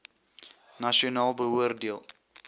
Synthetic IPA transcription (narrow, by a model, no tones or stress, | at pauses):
naʃionɑːlˠbəuərdiəlˠ